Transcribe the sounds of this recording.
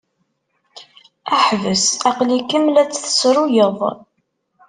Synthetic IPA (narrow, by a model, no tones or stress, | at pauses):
æħvəsæqlikəmːlæt͡sːθə̥sɾʊjəðˤ